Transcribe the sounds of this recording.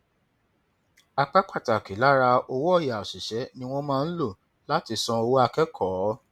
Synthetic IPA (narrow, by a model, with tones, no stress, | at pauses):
a˧k͡pa˦k͡pa˦˨ta˨ki˨˦la˦ɾa˧o˧wɔ˦˨ja˨si˨ʃɛ˨˦nĩ˦w̃ɔ̃˦mãː˦˧n̩˦lo˦˨ | la˦ti˧sɔ̃˧o˧wo˦a˧kɛ˦kʰɔː˨˦